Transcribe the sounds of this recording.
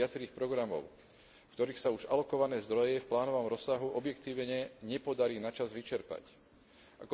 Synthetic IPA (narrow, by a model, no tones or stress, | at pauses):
at͡sɛɾiːxpɾɔɡɾamɔ̰ʊ | fkt̪ɔɾiːxsauʒalɔkɔʋanɛːzd̪ɾɔjɛfplaːnɔʋaɔmɾɔsːaɦuʔɔbjɛkt̪iːʋɲɛɲɛpɔd̪aɾiːnat͡ʃazʋit͡ʃɛɾpa̰c | ʔakɔ